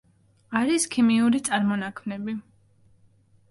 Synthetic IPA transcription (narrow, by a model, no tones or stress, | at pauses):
aɾiskʰimiuɾit̪sʼaɾmɔnakʰmnɛbi